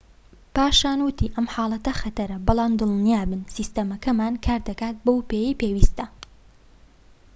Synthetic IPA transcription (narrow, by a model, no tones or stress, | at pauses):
paːʃaːnwɨt̪ʰiʔɐmħaːlˠɐt̪ɐxɐt̪ɐɾɐbɨlˠɑːmd̪ɨlˠnjaːbɨnsiːst̪ɐmɐkɐmaːnkʰaːɾd̪ɐkaːt̪̚bowpeːjipeːwiːst̪ɐ